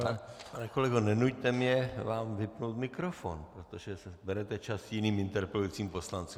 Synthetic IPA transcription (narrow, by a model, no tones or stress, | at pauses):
panɛko̞lɛɡonɛnuct̪ɛmɲɛvaːmvɪpnowt̪mɪkɾofo̰npɾot̪oʒɛsɛbɛɾɛt̪ɛt͡ʃasjɪniːmɪnt̪ɛɾpɛluit͡siːmpo̞slant͡su